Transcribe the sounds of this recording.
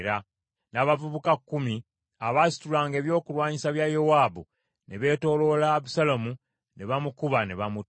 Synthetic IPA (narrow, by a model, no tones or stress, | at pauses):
ɾa | naːβavuβukakːumi | aβasi̥tulaːŋɡe̞ːβjo̞ːkulwaːɲisaβjajowaːbu | neβe̞ːto̞ːlo̞laβusalomu | ne̞βamukuβaneβamu